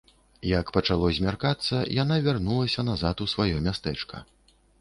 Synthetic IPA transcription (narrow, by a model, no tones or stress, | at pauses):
jɐkpɐt͡ʂalˠɔzʲmʲarkat̪sːɐjanavʲarnulˠɐsʲɐnazat̪usvajɔmʲast̪ɛt͡ʂkɐ̰